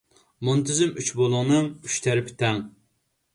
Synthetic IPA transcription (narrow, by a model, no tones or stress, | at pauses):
mont̪ɪzɪmyt͡ʃbolˠʊŋnɨŋyʃt̪ʰɛɾɪpʰɪ̥t̪ʰɛŋ